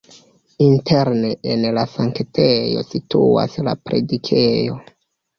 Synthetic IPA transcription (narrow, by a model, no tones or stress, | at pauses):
inteɾneenlasaŋktʰejo̞̰sitʰua̰sla̰pɾe̞̰dikʰejo̞